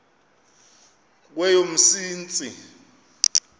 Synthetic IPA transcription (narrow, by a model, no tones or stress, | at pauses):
k̬wɛjom̩siːnt͡sʼi